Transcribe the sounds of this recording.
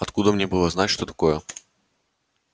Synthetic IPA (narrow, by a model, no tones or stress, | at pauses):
ɐt̪kud̪əmnʲebɨlˠəznatʲʂt̪o̞t̪ɐ̥ko̞jə